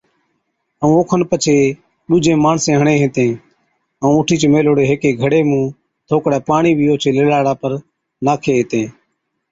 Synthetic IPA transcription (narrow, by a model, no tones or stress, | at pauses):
əũːoːkʰənpət͡ʃʰeː | ɗʊd͡ʒʱẽːmaːɳsẽːɦəɳẽːɦẽːt̪ẽː | əũːʊʈʰiːt͡ʃːmeːloːɽeːɦeːkeːɡʱəɽeːmũː | t̪ʰoːkɽɛːpaːɳiːʋɪjoːt͡ʃʰeːleːlaːɽaːpəɾ | naːkʰeːẽːt̪ẽː